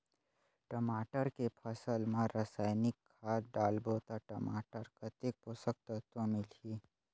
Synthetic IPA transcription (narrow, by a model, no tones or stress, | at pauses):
ʈəmaːʈəɾkepʰəsəlmãɾəsaːjnɪkʰːaːɖaːlboːt̪aʈəmaːʈəɾkət̪ek̚posək̚t̪ət̪õmɪliː